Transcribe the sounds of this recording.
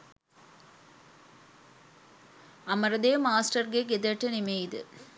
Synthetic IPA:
ɐmɐɾɐd̪eːmaːsʈɐɾɡeɡed̪ɐʈːɯnɪmejd̪ɯ̰

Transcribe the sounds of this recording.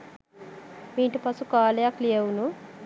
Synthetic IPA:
miːɳʈupɐsukaːlejaklijɐwunu

